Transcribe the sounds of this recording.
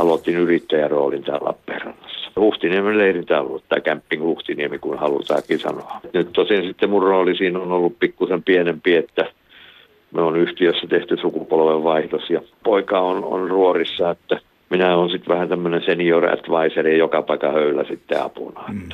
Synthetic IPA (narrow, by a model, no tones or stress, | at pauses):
ɑlot̪ːinyrit̪ːæjæro̰ːlint̪æ̰ːlːɑ̰pːeːrɑ̰nːɑsːɑ̥huht̪iniemelleirint̪æo̰lːuet̪ːækæmpːiŋhuht̪iniemikunhɑlṵt̪ɑ̰ːkisɑ̰noɑt̪nyt̪t̪osinsit̪ːemurroːlisiːnonolːuppikːusempienempiet̪ːæ | monyht̪iøsːæt̪eht̪ysukupolʋeʋʋɑihdosjɑpoikɑono̰nruorisːɑet̪ːæ | minæoːnsit̪ʋæhænt̪æmːønensenioræ̰t̪ʋɑiserijokɑpɑikɑhøylæ̰sit̪ːḛɑ̰pṵnɑet̪ːæ̥